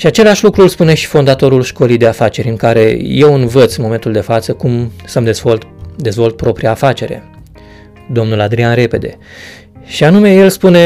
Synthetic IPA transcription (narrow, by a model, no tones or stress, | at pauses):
ʃiat͡ʃe̞laʃlukɾulspune̞ʃi̥fo̞nd̪at̪o̞ɾulʃko̞lijd̪e̞afat͡ʃe̞ɾʲɨŋkaɾe̞̰je̞wɨnvət̪sʲɨnmo̞me̞nt̪uld̪e̞fat̪səkumsəmd̪eot̪d̪e̞zvo̞lt̪̚pɾo̞pɾiaːfat͡ʃe̞ɾe̞̰ | d̪o̞mnulad̪ɾianɾe̞pe̞d̪e̞̰ | ʃianume̞je̞lspune̞